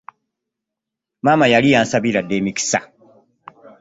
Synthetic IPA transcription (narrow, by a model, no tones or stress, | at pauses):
mamajalijaːnsaβiɾadːemiki̥sa